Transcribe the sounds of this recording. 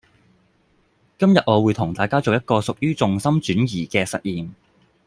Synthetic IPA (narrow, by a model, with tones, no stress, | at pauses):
kɐ˥mjɐ˨t̚ʔŋɔː˨˧wuː˨˧jt̪ʰʊ˨˩ŋt̪aː˨jkaː˥t͡so˨wjɐ˥t̚kɔː˧sʊ˨k̚jyː˥t͡sʊ˨ŋsɐ˥mt͡ʃyː˨˥njiː˨˩kɛː˧sɐ̰˨t̚jiː˨m